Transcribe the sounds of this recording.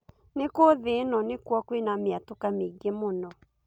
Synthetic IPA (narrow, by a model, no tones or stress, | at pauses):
nekoðenɔnekwɔkwenameatokameɡemonɔ